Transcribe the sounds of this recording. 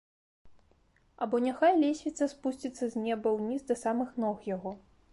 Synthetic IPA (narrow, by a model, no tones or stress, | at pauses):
ɐbɔnʲaxajlʲɛsʲvʲit̪sɐspusʲt͡sʲit̪sːɐzʲnʲɛbɐwnʲizd̪ɐsamɨxnɔxjaɣɔ